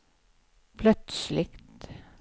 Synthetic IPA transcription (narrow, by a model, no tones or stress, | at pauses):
pʰlœt̪slɪkt̪